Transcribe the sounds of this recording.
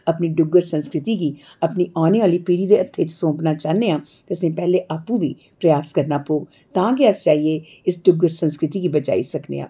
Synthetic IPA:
əpniːɖʊɡəɾsə̃nskɾɪt̪iːɡiː | əpniːʔaːneːaːliːpiːɽiːd̪eːət̪ʰːeːt͡ʃsõːpnaːt͡ʃaːneːãːt̪eəsẽːpɛːleːʔaːpũːʋḭː | pɾəjaːskəɾnaːpoːɡ | t̪ãːkɪəst͡ʃaːɦiːeː | ɪsɖʊɡəɾsə̃nskɾɪt̪iːɡiːbət͡ʃa̰ːḭːsəknḛːã̰ː

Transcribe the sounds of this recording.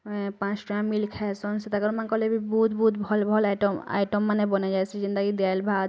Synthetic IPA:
pãt͡ʃʈamːilkʰɛsɔnset̪akɔɾmankɔlebibut̪but̪bʱɔlbʱɔlajʈoma̰jʈɔmːanebɔnad͡ʒajsʰizind̪aɡid̪albʱa

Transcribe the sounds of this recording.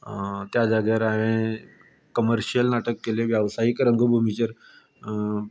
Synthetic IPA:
t̪jad͡zaɡjaɾaʋẽ | kəməɾɕiəlnaʈəkːeleʋjaʋsaikɾəŋɡbʱumit͡ɕəɾ

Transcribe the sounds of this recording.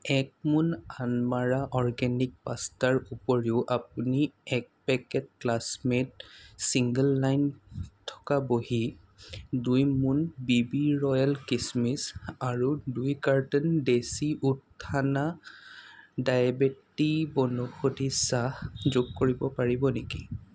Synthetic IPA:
ɛk̚munanmaɹaʔɔɹɡɛnik̚pastaɹupɔɹiʊʔap̚uniɛk̚pɛkɛt̚klasmet̚siŋɡəlːajntʰɔ̥kaboɦi | dujmunbibiɹɔjalkismisaɹudujkaɹtɔndesiʔutʰːana | dajabetibɔnuxodisahzʊɡkoɹibɔpaɹibɔneki

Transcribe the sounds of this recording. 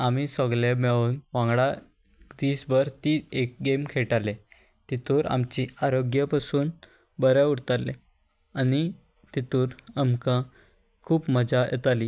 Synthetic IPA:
amisɔɡlemɛɭuːnʋãŋɡɽa | d̪iːsbəɾt̪iːek̚ɡemkʰeʈale | t̪it̪uːɾa̰mt͡ɕiaɾoɡjəpasuːn | bəɾauɽt̪ale | ani | t̪it̪uːɾamkã | kʰuːpməd͡zajʔɛ̰t̪ali

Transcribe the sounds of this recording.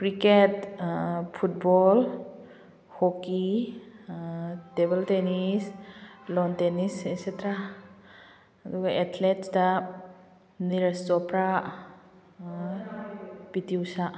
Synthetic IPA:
kɾiket | pʰut̚bɔl | hoki | tebeltenislɔntenisesetɾa | duɡaʔetʰletsda | niɾestɔpɾa | pitiwsaʔ

